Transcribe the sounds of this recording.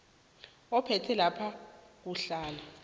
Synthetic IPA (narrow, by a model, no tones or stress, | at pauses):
ɔpʰɛtʰɛlapʰak̬uɬaːla